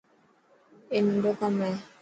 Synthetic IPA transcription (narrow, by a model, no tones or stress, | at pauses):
enundɔkamɛ